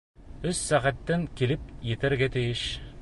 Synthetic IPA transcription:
ɵsːæʁæt̪ːæŋkilɘp̚jɘ̆t̪ɘ̆ɾɡæt̪ɘ̆jɘʃ

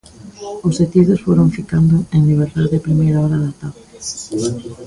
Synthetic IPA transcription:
ʊset̪iðʊsfoɾoŋfikand̪ʊeŋliβ̞eɾt̪aðɪpɾimejɾaɔɾaðat̪aβɪ

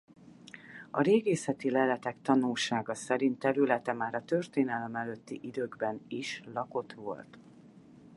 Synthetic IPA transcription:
ɒɾeːɡeːsɛt̪ilɛlɛt̪ɛkt̪ɒnulʃaːɡɒsɛɾint̪ːɛɾylɛt̪ɛmaːɾɒt̪ørt̪eːn̪ɛlɛmɛløt̪ːiʔid̪øːɡbɛniʃlɒko̞t̪ʋo̞̰lt̪

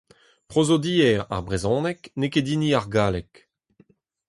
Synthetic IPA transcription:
pʁozod̪iːɛʁa̰ʁbʁezɔ̃ːnɛknekediniaʁɡaːlɛk

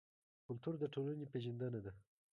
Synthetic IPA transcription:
kʊlt̪uɾd̪əʈolanepeʒənd̪ənad̪a

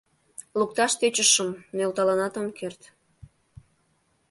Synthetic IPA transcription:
luk̚t̪ɑʃt̪et͡ɕəʃəmnølt̪ɑlɑnɑt̪omkert̪

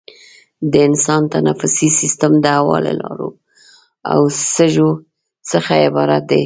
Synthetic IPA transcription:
d̪əɪnsɑnt̪anafʊsisist̪əmd̪əhawɑlḛlɑɾu | a̰wsəʒo | t͡səxaɪbɑɾat̪̚d̪e

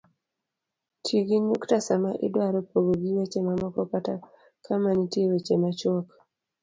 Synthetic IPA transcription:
tʰiɡiɲuktasamaʔɪ̰dwaɾɔpoɡoɡiwet͡ʃemamɔkɔpata | kʰamanitjewet͡ʃemat͡ʃɔk

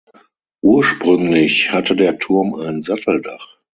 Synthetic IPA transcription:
ʔuːɐʃpʁ̥ʏŋlɪçhatʰədeːɐtʰʊɐmaɪnzatl̩daχ

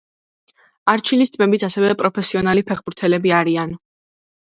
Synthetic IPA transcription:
aɾt͡ʃʰilist̪sʼmɛbit̪ʰasɛvɛpʼɾɔpʰɛsiɔnalipʰɛχbuɾt̪ʰɛlɛbiaɾian

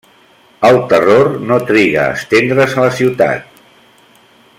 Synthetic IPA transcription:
əlˠt̪ərornot̪ɾiɣə̰ːst̪end̪ɾəzələsiwt̪a̰t̪̚

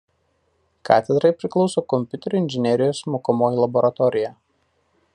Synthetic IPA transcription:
kʰɑ̰ːt̪ʲɛd̪ɾɐɪpʲɾʲɪklˠɒʊsoːkɔmʲpʲʊt̪ʲɛɾʲʊɪnʲʒʲɪnʲɛɾʲɪjoːsmoːkomoːjilˠɐbɔɾɐt̪ɔɾʲɪjæː

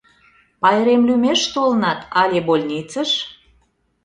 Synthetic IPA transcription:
pɑjɾemlʲymeʃt̪olənɑt̪ɑlʲebolʲnʲit͡səʃ

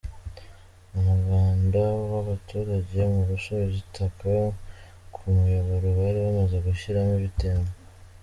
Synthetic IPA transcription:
omuɾɡaːndawaβatuːɾaɟe̞muɾusoβezitʰaka | kʰumujoβoɾuβaɾiβamaze̞ɡuʃiɾamiβitemo

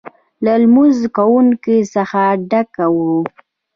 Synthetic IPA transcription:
lalmuzkawuŋkesəxaɖakawu

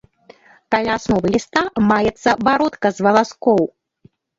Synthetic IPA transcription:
kalʲaːsnɔvɨlʲist̪amajɛt̪sːɐvaɾɔt̪kɐzvɐlˠaskɔw

